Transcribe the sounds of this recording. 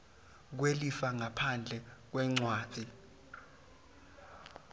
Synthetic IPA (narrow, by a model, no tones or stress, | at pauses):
k̬welifaŋapʰand͡ɮʱɛk̬wɛŋ͡ǀwaːt͡sʰʼi